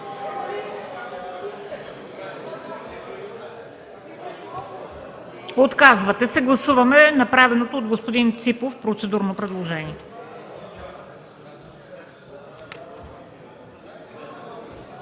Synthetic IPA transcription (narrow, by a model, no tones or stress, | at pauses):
ot̪kazvɐt̪ɛsɛɡlˠɐsuvɐmɛnɐpɾavɛnot̪oːd̪ɡospod̪int̪sipofpɾot̪sɛd̪uɾnopɾɛd̪lˠoʒɛniɛ